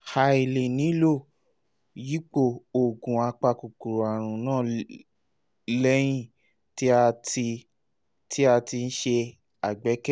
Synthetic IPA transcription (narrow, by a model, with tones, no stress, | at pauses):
ha˧i˨le˨nĩ˨˦lo˦˨ | ji˦k͡po˦˨o˨ɡũ˨a˧k͡pa˧ku˨ku˨ɾo˨a˨ɾ̃ũ˨˦nãː˦˨ | lɛ˦j̃ĩ˦˨ | ti˦a˧ti˧ | ti˦a˧ti˧n̩˦ʃe˧ | a˨ɡ͡bɛ˨˦kɛ˦